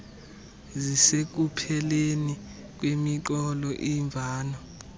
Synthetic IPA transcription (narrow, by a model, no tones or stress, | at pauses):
zisek̬upʰɛleni | k̬ʼwemiǃɔlɔʔiɱb̪vʱaːnɔ